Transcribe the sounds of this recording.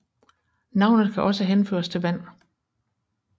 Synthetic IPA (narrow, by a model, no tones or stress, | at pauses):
nɑ̈ʊnð̩ˠkʰæʔɒ̽səɦenfø̰ːɐst͡sʰe̝lʋæn̰